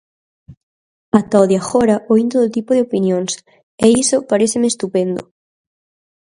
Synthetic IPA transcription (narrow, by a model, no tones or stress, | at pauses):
at̪aoðjaxoɾaʔoĩnt̪oðot̪ipoðeopinjõŋs | eisopaɾeθɪmeːst̪upend̪o